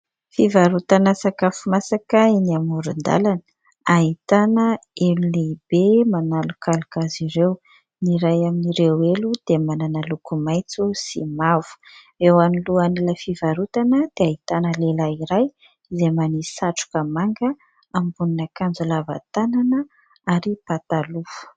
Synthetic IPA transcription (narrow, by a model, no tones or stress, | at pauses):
fivaɾut̪anasakafumasakəinamuɾund̪a̰lan | aɦit̪anəelulebemanalukalukaziɾew | niɾajaminiɾewelud̪̥emananalukumajt͡susḭmavu̥ | ewaniluaniləfivaɾut̪anəd̪̥eait̪anəlelaiɾaj | izemanisaʈ͡ʂu̥kəmaŋɡə | ambuninakand͡zulava̰t̪ananə | aɾipat̪alufu̥